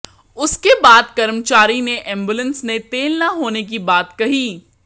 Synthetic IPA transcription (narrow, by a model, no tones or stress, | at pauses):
ʊskebaːd̪̚kɐɾmt͡ʃaːɾineʔɛ̃ːmbulə̃nsnet̪eːlnɐɦoːnek̬ibaːt̪kɐɦiː